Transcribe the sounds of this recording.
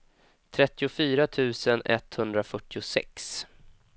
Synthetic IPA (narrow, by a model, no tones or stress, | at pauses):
t̪ʰɾɛt̪ːɪʊfyːɾat̪ʰʉ̟ːsənɛ̰t̪ːhɵnd̪ɾafœʈːɪʊsɛ̰ks